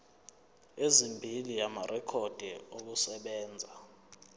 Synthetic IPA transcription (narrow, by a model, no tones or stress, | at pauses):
ezimbʱilijamarʔɛkʰɔd̥ʱɛok̬usɛɓɛːnd͡zʱa